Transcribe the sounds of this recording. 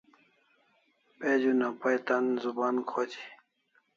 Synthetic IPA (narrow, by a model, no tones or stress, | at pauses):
ped͡ʑunapɐjt̪ɐnzubaːnkʰoːt͡ɕʰi̥